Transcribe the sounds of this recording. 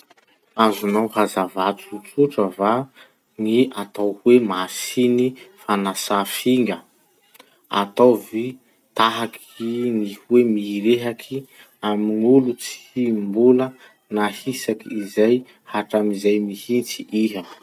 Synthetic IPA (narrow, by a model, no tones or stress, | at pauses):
azunawhazavat͡suut͡suʈ͡ʂəva | ŋiat̪awhwemasinifanasafiŋɡə | a̰t̪awvi | t̪aɦakʰinihwemiɾeɦakʰi | aminulut͡si̥imbulə | nahisakiizaj | haʈ͡ʂamizajmihint͡siʔiɦə